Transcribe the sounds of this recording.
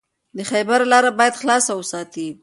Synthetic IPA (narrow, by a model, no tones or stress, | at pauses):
d̪əxajbaɾlɑɾabɑjad̪xlɑsawəsɑt̪i